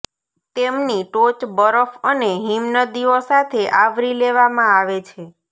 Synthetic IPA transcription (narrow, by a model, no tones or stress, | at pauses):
t̪emniʈot͡ʃbəɾəfəneɦimnəd̪iosat̪ʰeʔaʋɾileʋamãaʋet͡ʃʰe